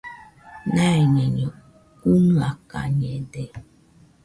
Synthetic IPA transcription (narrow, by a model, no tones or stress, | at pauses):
naɛɲɛɲɔ | kunuaka̰ɲɛde